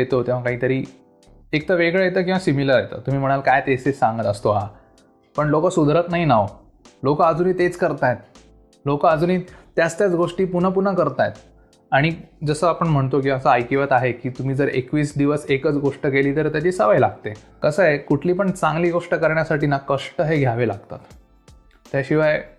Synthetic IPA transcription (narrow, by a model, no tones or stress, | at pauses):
jet̪ot̪ẽʋ̤akaɦiːt̪əɾiː | ek̚t̪əʋeɡɭejet̪əːk̬ĩw̃ʋasimiləɾjet̪ə̰t̪um̤iːm̤əɽ̃alkajt̪esesãŋɡət̪əst̪oɦa | pəɳlokəsud̪ʱɾət̪naɦinaʋ | lokəəd͡zuniːt̪et͡skəɾt̪ajet̪̚ | lokəəd͡zuniːt̪jat͡st̪jat͡sɡoʂʈiːpun̤əp̬unəkəɾt̪ajet̪ | aɽ̃id͡zəsəːapəɳm̤əɳt̪okĩəsəajkiʋət̪aɦekiːt̪um̤iːd͡zəɾekʋiːsd̪iʋəsekət͡sɡoʂʈəkeliːt̪əɾt̪jat͡ɕiːsəʋajlaɡ̚t̪e | kəsəekuʈʰliːpəɳt͡sãŋɡliːɡoʂʈəkəɾɳjasaʈiːnakəʂʈəɦeɡʱjaʋela̰ɡ̚t̪a̰t̪ː | jaɕiʋaj